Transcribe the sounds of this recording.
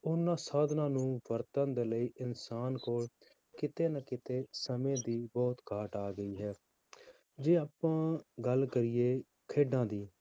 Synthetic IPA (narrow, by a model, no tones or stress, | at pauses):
ʊnːãːsaːd̪nãːnũːʋəɾt̪ənd̪eːləiːʔɪnsaːnkoːl | kɪt̪eːnəkɪt̪eːsəmẽːd̪iːbɔːt̪ɡaːʈaːɡəiːɦɛː | d͡ʒeːaːpãːɡəlkəɾɪeː | kʰeːɖãːd̪iː